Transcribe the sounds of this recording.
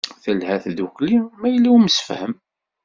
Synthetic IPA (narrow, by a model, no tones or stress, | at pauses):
θəlhæθðuklimːæjəlːiwməsə̥fhəm